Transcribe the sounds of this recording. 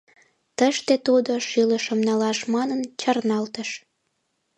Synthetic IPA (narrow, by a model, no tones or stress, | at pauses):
t̪əʃt̪et̪ud̪oʃyləʃəmnɑlɑʃmɑnənt͡ɕɑrnɑlt̪əʃ